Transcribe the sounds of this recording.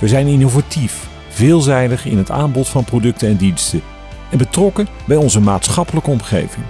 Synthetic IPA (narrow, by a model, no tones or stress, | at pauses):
ʋəɹzɛjnɪnovatif | v̥ɪːlˠzɛjdəχɪ̰nɦəta̰ːmbɔtfɑnprodɵk̚tənɛndinstə | ɛnbətrɔkə | bɛjɔnzəmaːtsχɑpələkəɔmχḛjvɪŋ